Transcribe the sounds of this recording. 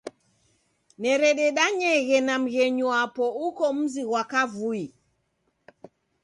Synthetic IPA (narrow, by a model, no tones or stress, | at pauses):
nɛɾɛɗɛɗaɲɛɣɛnam̩ɣɛɲuapɔukɔm̩ziɣwakavui